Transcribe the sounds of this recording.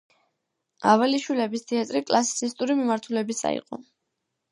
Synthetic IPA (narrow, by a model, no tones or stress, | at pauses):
avaliʃwilɛbist̪ʰiat̪ʼɾikʼlˠasi̥t̪sʰist̪ʼuɾimimaɾt̪ʰulɛbisa̰ḭqʼɔ̰